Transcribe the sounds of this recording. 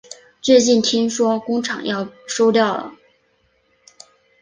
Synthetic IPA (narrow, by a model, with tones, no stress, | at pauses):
t͡swe˥˧ɪt͡ɕi˥˩nt̪ʰi˥ŋʂwɔ˥kʊ˥ŋʈ͡ʂʰɑ̰˨˩˦ŋjɑ˥˩ʊʂo˥ʊt̪jɑ˥˩ʊlə̰˩